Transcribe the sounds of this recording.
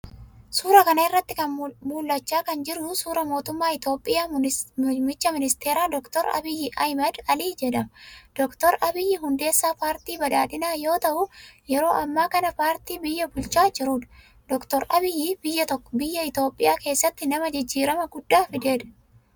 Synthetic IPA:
suːɾɐkɐnɐɪrːɐt̪ːɪkɐnmuːlːɐt͡ʃːaːkɐnd͡ʒɪɾʊsuːɾɐmoːt̪ʊmːaːɪt̪o̞ːpʼːɪjaː | mɪt͡ʃːɐmɪnɪst̪e̞ːɾaːd̪ɔkt̪ɔɾɐ̰bɪjːɪʔɐjmɐd̪ɐliːd͡ʒɛᶑɐmɐd̪̥ɔkt̪ɔɾʔɐbɪjːɪɦʊnd̪e̞ːsːaːpaːɾt̪iːbɐᶑaːᶑ̪ɪnaːjo̞ːt̪ɐʔʊjɛɾo̞ːʔɐmːaːkɐnɐpaːɾt̪iːbɪjːɐbʊlt͡ʃaːd͡ʒɪɾuːᶑɐ̥ | d̪̥ɔkt̪ɔɾɐbɪjːɪːbɪjːɐt̪ɔkːɔ̥bɪjːɐɪt̪oːpʼːɪjaːke̞ːsːɐt̪ːɪnɐmɐd͡ʒɪd͡ʒːiːɾɐmɐɡʊd̪ːaːfɪd̪e̞ːᶑ̪ɐ̥

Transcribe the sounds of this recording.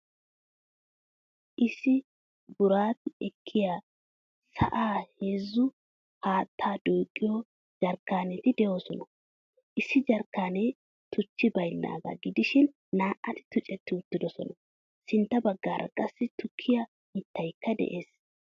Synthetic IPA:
ʔɪsːɪ | bʊɾaːt̪ɪɛkʰːɪjaː | sɐ̰ʔaːheːzːʊ | haːt̪ʰːaːd̪uːkʼːɪjo | d͡ʒɐɾkːaːnɛt̪ɪd̪ɛjo̞ːsɔnɐ | ʔɪsːɪd͡ʒɐɾkːaːne | t̪ʊt͡ʃːɪbɐjlːa̰ːɡɐ̰ɡɪd̪ɪʃɪnː | aːʔʔɐt̪ɪ̥t̪ʊt͡ʃʼɛt̪ːɪʊt̪ːɪd̪ɔsɔnɐ | sɪnt̪ːɐbɐɡːaːɾʔɐ̰kʼɐsːɪt̪ʊkʰːɪjɐ | hɪt̪ːɐjkːɐd̪ɛ̰ʔe̞ːs

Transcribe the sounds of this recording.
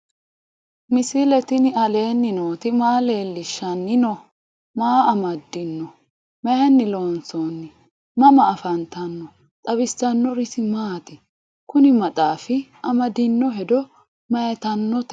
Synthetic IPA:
mɪsilɛt̪ɪnɪɐle̞ːnːɪnoːt̪ɪmaːle̞ːlːɪʃːɐnːɪnɔ | maːɐmɐd̪ːɪnːɔ | mɛɛnːɪlo̞ːnsoːnːɪ | mɐmɐːfɐnt̪ɐnːɔ | t̪ʼɐβɪst̪ɐnːɔɾɪsɪmaːt̪ɪ | kʊnɪmɐt̪ʼaːfɪɐmɐd̪ɪnːɔɦɛd̪ɔ | mɐjɛt̪ɐnːɔt̪ɛ

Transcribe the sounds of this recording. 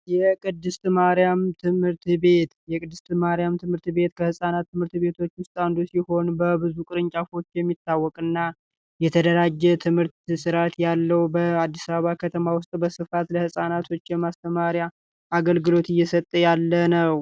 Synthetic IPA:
jɛkʼɨd̪ːɨst̪maɾjamt̪ʰɨmhɨɾt̪be̞t̪jɛkʼɨd̪ːɨst̪maɾjamt̪ʰɨmhɨɾt̪βe̞t̪kʰəhɨsʼanat̪ːɨmhɨɾt̪βe̞t̪ʰo̞t͡ʃːwʊst̪ʼand̪usiho̞nbəbɨzukʼɨɾɨɲt͡ʃʼafo̞t͡ʃːjɛmːit̪ːawːɔkʼɨnːa | jɛt̪ʰəd̪əɾad͡ʒːɛt̪ʰɨmhɨɾt̪sɨɾat̪jalːəwbəad̪ːisaβəβakʰət̪ʰəmawʊst̪ʼbəsɨfat̪ləhɨsʼanat̪ʰo̞t͡ʃːjɛmast̪ʰəmaɾjaː | ɡəlɡɨlo̞t̪ɪjːɛsət̪ʼːəjalːənəw

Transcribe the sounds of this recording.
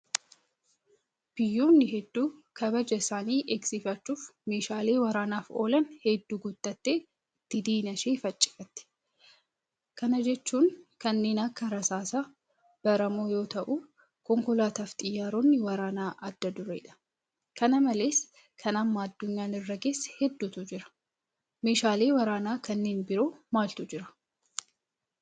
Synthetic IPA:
b̥ɪjːo̞ːnːɪɦɛd̪ːuːkʰɐbɐd͡ʒɐɪsaːniːʔeɡsɪfɐt͡ʃːuːfme̞ːʃaːle̞ːwɐɾaːnaːfo̞ːlɐnhɛd̪ːuːɡʊt̪ːɐt̪ːe̞ː | t̪ːɪd̪iːnɐʃeːfɐt͡ʃʼːɪ̥fɐt̪ːɪ̥ | kɐnɐd͡ʒɛt͡ʃːuːnkɐnːe̞ːnɐkːɐɾɐsaːsɐ | b̥ɐɾɐmoːjo̞ːt̪ɐʔu | kɔŋkɔlaːt̪aːft̪ʼɪjːaːɾonːɪwɐɾaːnaːʔɐd̪ːɐd̪ʊɾḛːᶑɐ̥ | kɐnɐmɐleːs | kʰɐnɐmːaːɐd̪ːʊɲːaːnɪrːɐɡe̞ːsːhɛd̪ːut̪ʊd͡ʒɪɾɐ̥ | me̞ːʃaːleːwɐɾaːnaːkɐnːe̞ːnbɪɾo̞ːmaːlt̪ʊd͡ʒɪɾɐ̥

